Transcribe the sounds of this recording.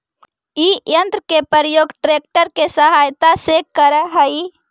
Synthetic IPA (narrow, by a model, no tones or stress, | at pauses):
ijə̃nt̪ɾəkepəɾəjoːɡʈɾeːk̚ʈəɾkesəɦaːjt̪asekəɾəɦəi